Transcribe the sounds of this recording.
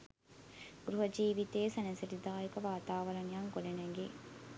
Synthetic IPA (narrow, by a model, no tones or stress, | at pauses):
ɡɾuɦɐd͡ʒiːʋit̪eːsɐnɐsiɾid̪aːekɐʋaːt̪aːʋɐɾɐnijɐŋkolenɐŋɡe